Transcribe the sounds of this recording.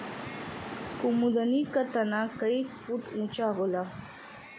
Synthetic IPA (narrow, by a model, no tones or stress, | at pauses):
kumud̪anikat̪anakaikfuʈũt͡ʃaɣola